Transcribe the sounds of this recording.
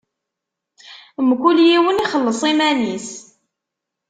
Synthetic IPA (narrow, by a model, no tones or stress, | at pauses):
mkʷːuljiwəniχəlːəsˤimænis